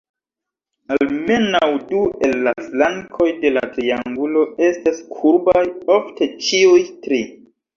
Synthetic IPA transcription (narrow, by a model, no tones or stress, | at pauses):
alme̞nawdue̞lːaflaŋkʰo̞jde̞la̰tɾiaŋɡulo̞e̞staskʰuɾbajo̞fte̞t͡ʃiujtɾi